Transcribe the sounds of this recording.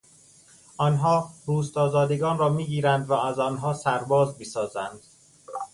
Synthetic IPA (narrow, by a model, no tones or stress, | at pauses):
ʔɒːnɦɒːɾuːst̪ɒːzɒːd̪eɡɒːnrɒːmiːɡiːɾænd̪vææzɒːnɦɒːsæɾbɒːzmisɒːzænd̪̥